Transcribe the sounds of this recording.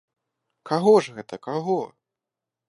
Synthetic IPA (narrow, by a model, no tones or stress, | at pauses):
kaɣɔʐɣɛt̪ɐkaɣɔ